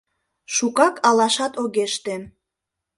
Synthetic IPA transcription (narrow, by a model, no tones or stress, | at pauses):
ʃukɑkʰɑlɑʃɑt̪oɣeʃt̪e